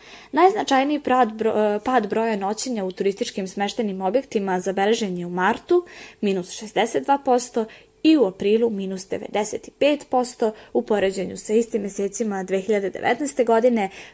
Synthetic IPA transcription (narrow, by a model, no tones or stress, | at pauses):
najznat͡ʃajnii | paːd̪bɾo̞jano̞t͡ɕeɲaut̪uɾist̪it͡ʃkimsmeʃt̪enimo̞bje̞kt̪imazabelˠe̞ʒe̞ɲe̞umaɾt̪umiːnusʃezd̪eset̪̚d̪vaːpo̞st̪o̞ | iuapɾiːlˠumiːnusd̪e̞̰ʋḛd̪eset̪i̥peːt̪po̞st̪o̞upo̞ɾe̞d͡ʑe̞ɲṵsaist̪imje̞seːt̪simad̪ʋeːxiʎad̪ed̪ḛʋḛt̪naest̪e̞ɡo̞d̪ine̞